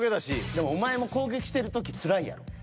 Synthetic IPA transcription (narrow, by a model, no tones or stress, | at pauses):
ɡed̪aɕid̪e̞mo̞ːmae̞mo̞ko̞ːɡe̞kʲi̥i̥t̪e̞ɾɯ̟t̪ok̬ʲit͡sɨɾaija̰ɾo